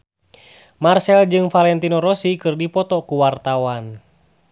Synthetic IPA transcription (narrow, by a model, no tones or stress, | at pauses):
marsɛld͡ʒɨŋfalɛnt̪inɔɾɔsikɨrdipɔt̪ɔkuwart̪awan